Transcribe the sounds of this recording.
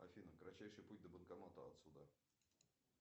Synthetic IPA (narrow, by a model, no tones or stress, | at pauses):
ɐ̰fʲinəkɾɐt͡ɕːæjʂɨjput̚ʲd̪əbənkamat̪əɐ̰t̪sud̪a